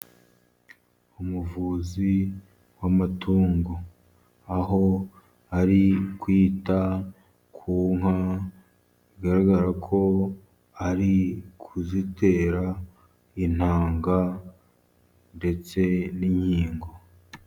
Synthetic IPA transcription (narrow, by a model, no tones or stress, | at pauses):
umuvuːzi | wamatʰuːŋɡo | aɦo̞ | aɾikwiːta | kʰuːŋa | iɡaɾaɡaɾakʰo̞ | aɾikʰuzite̞ːɾa | in̥haːŋɡa | nde̞t͡se̞niɲhiːŋɡo̞